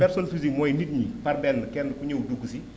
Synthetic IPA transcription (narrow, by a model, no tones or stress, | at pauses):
pɛɾsɔnfizikmɔːjnit̚ɲipɐrbɛlːkɛndəkuɲəwduɡːusi